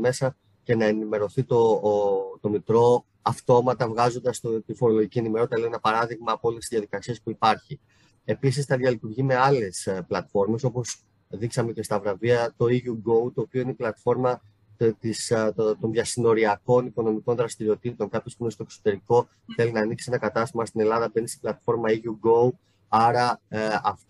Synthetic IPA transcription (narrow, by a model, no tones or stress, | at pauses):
me̞sɐ | ce̞nɐe̞nime̞ɾo̞θit̪o̞ | t̪o̞mit̪ɾo̞ | ɐft̪o̞mɐt̪ɐvɣɐzo̞nd̪ɐst̪ot̪ifo̞ɾo̞lo̞ʝicie̞nime̞ɾo̞t̪t̪ɐleenɐpɐɾɐðiɣmɐːpoo̞lest̪izðjɐðikɐsie̞spuipɐɾçi | e̞pis̬isθɐðiɐlit̪uɾʝime̞ɐle̞splɐt̪fo̞ɾme̞so̞po̞s | ðiksɐme̞ce̞st̪ɐvɾɐviɐt̪o̞iʝuɡo̞ut̪o̞ːpio̞ineiplɐt̪fo̞ɾmɐ | t̪ist̪o̞nðʝɐsino̞ɾiɐko̞niko̞no̞miko̞nðɾɐst̪iɾio̞t̪it̪oŋkɐpçospunest̪oekso̥t̪e̞ɾiko̞ | θe̞linɐːniksienɐkɐt̪ɐst̪imɐst̪ine̞lɐðɐbe̞nisi̥plɐt̪fo̞ɾmɐiʝuɡou | ɐɾɐɐft